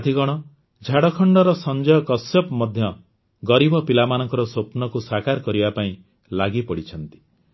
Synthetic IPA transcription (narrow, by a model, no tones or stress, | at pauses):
t̪ʰiɡɔɽ̃ɔ | d͡ʒʱaɽɔkʰɔɳɖɔɾɔsɔnd͡ʒɔjɔkɔsjɔpmɔd̪ʱjɔ | ɡɔɾibɔpilamanɔŋkɔɾɔsopnɔkusakaɾkɔɾibapaĩ | laɡipɔɽit͡ʃʰɔnt̪i̥